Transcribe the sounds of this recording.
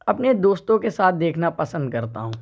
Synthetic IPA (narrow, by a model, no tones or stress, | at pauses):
ɐpned̪oːst̪õkesaːt̪̚ʰd̪eːkʰnapɐsə̃nd̪̚kɐɾt̪a̰ɦũː